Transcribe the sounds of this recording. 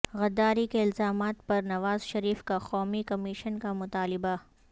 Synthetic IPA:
ɣɐd̪ːaːɾikeɪlzaːmaːt̪̚pɐɾnɐʋaːzʃɐɾiːfkaxɔːmikɐmɪʃənkamʊt̪aːlɪba

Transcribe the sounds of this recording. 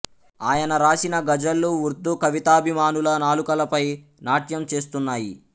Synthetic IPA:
aːjɐnɐɾaːsinɐɡɐd͡ʒɐlːuuɾd̪ːukɐʋit̪aːɐbʱimaːnulɐnaːlukɐlɐpɐj | naːʈjɐmt͡ʃe̞ːs̬t̪unːaːjḭ

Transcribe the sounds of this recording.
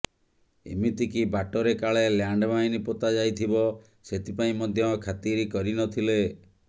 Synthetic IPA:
ḛmit̪ikibaʈɔɾekaɭeljaɳɖbaĩnipɔt̪ad͡ʒajt̪ʰibɔ | set̪ʰipaĩmɔd̪ʱjɔkʰat̪iɾikɔɾinɔt̪ʰile

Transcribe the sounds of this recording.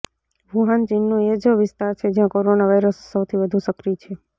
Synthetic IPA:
ʋʱuɦant͡ʃinːũed͡ʒəʋɪst̪aɾt͡ʃʰed͡ʒjãkoɾonaʋaiɾəsːəwt̪ʰiʋəd̪ʱũsəkɾit͡ʃʰe

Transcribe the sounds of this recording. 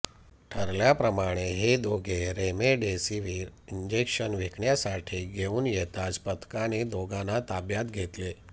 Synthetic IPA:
ʈʰəɾljapɾəmaɽ̃eɦed̪oɡʱeɾemeɖesiʋiːɾiɲd͡ʑekʃənʋekʰɳjasaʈʰiːɡʱeuːnjet̪ad͡zpət̪kaned̪oɡanat̪abjat̪ɡʱet̪le

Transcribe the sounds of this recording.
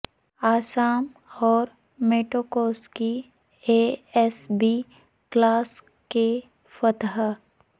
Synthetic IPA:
aːsaːm | ɔːɾ | meːʈoːkoːski | eɛsbi | klaːs | ke | fət̪ɦ

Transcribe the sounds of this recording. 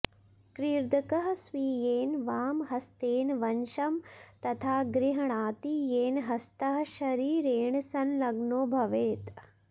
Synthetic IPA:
kɾiːɾd̪ʱɐkɐɦɐsʋiːjeːnʋaːmɦɐst̪eːnʋɐnʃɐmt̪ɐt̪ʰaːɡɾiɦɐɳaːt̪ijeːnɦɐst̪ɐɦɐʃɐɾiːɾeːɳsɐnlɐɡnoːbʱɐʋeːt̪

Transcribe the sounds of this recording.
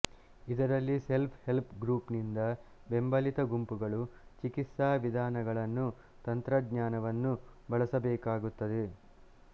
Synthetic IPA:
id̪ɐɾɐlːise̞lpʰhe̞lpʰɡɾuːpnind̪ɐ | be̞mbɐlit̪ɐɡumpuɡɐɭut͡ʃikit̪saːʋid̪ʱaːnɐɡɐɭɐnːu | t̪ɐnt̪ɾɐɡɲaːnɐʋɐnːubɐɭɐsɐbɛːkaːɡut̪ːɐd̪e

